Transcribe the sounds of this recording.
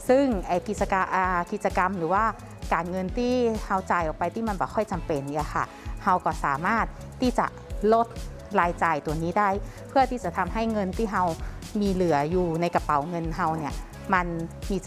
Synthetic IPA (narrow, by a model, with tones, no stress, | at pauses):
sɯ˥˩ŋʔa˨˩ki˧˩t̪̚t͡ɕa˧ka˧ʔaː˧ki˧˩t̪̚t͡ɕa˧ka˧mlɯː˩˦waː˥˩ | kaː˨nŋɤ˧nt̪ʰiː˥˩ha˧wt͡ɕaː˨˧˩jʔɔː˨˩k̚pa˧jt̪iː˧˥˩ma˧˥nbɔː˨˦kʰɔ˧˥˩jt͡ɕa˨mpe˨n˧a˧xʰa˧˩ | ha˧wkɔː˧˩saː˨˦maː˥˩t̪̚ʰːiː˧˥˩t͡ɕa̰˧˩ʔlo˧˩t̪̚ | laː˧jt͡ɕaː˨˧jt̪u˨ɐniː˧˥˩da˥˩jpʰɯ˥˩ɐt̪ʰiː˧˥˩t͡ɕa˨˧˩t̪ʰa˧mɦa˥˩jŋɤ˧nt̪ʰiː˥˩ɦa˧wmiː˧lɯ˩˦ɐjuː˧na˧jka˧pa˨˦wŋɤ˧nɦa˧wni˧˩ɐ | ma˧nmiː˧